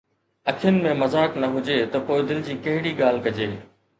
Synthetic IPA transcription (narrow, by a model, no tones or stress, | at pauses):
ɐkʰɪjənɪ̆mẽmɐzaːknɐɦʊd͡ʑeːt̪ɐpoːɪd̪ɪld͡ʑiːkɐɦɪɽiːɠaːl̤kɐd͡ʑeː